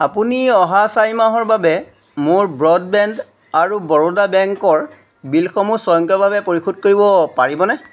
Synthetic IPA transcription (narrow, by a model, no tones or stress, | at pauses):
apuniɔɦasajmaɦɔɹbabɛ | mʊɹbɹɔdbɛnd | aɹubɔɹodabɛŋkɔɹ | bilxɔmusɔjɔŋkɔbabɛpoɹikʰud̚koɹibɔpaɹibɔnɛ